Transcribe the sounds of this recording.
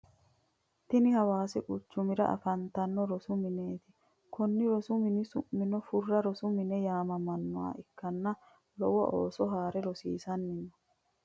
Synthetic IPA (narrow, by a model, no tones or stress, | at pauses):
t̪ɪnɪhɐwaːsɛkʼʊt͡ʃːʊmɪɾɐ̰ʔɐ̰fɐnt̪ɐnːɔɾɔsʊmɪneːt̪ɪ | kɔnːɪɾɔsʊmɪnɪsʊmːɪnɔfʊrːɐɾɔsʊmɪnɛjaːmɐmɐnːɔwa̰ːɪkːɐnːɐ | lɔwɐʔoːsɔɦaːɾɛɾɔsḭːsɐnːɪnɔ̥